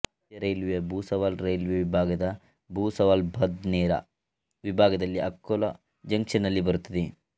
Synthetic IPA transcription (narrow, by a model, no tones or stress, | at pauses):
jɐɾejlʋeɐbʱuːsɐʋaːlɾejlʋeʋibʱaːɡɐd̪ɐ | bʱuːsɐʋaːlbʱɐd̪nɛːɾɐ̰ | ʋibʱaːɡɐd̪ɐlːiʔɐkːolɐ̰ | d͡ʒɐŋkʂɐnɐlːibɐɾut̪ːɐd̪e